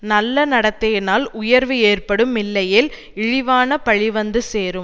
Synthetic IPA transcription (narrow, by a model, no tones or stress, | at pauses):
nɐlːɐnɐɽɐt̪ːɐjɪnaːlʊjɐɾʋɯeːrpɐɽɯmːɪlːɐjɪl | ɪɻɪʋaːnɐpɐɻɪʋɐnd̪ɯseːɾɯm